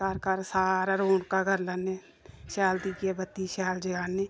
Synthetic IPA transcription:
aːɾkaːɾsaːɾaɾoːɳkaɡʱəɾlane | ʃaːld̪ikebət̪ːiʃaːld͡ʒɪɡaːne

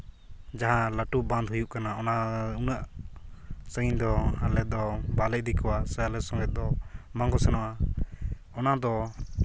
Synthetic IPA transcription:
d͡ʒaɦãlaʈuʔbãnd̪ɦujuʔkanaɔnaunaʔ | səind̪ɔalɛd̪ɔbalɛʔd̪ikɔwasɛalɛsɔ̃ŋɡɛd̪ɔmãŋɡɔsɛnɔʔa | ɔnad̪ɔ

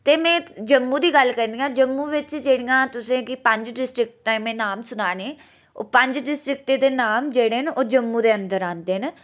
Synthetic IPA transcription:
t̪eːmɛ̃ːd͡ʒəmːũːd̪iːɡəlkɛ̃ːnd̪ijãːd͡ʒəmːũːʋɪt͡ʃd͡ʒeːɽijãːt̪ʊsẽːkɪpəɲd͡ʒɖɪsʈɾɪk̚ʈʈamẽːnaːmsʊnaːneː | o̰ːpəɲd͡ʒɖɪsʈɾɪk̚ʈeːd̪eːnaːmd͡ʒeːɽeːɦənoːd͡ʒəmːuːd̪eːənd̪əɾãːnd̪eːən

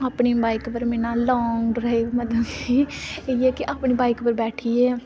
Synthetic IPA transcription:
aːpɳiːbaːɪkpəɾmɛnãːlɔːŋɡɖɾaeməd̪əd̪kiːeiɛːkɪʔaːpɳiːbaːɪkpəɾbɛːʈʰiːɛː

